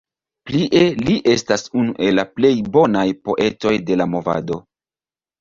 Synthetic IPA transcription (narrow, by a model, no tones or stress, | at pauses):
pliʔeliʔe̞stasunuʔe̞lːaple̞jbo̞najpo̞ʔe̞to̞jde̞lamo̞va̰do̞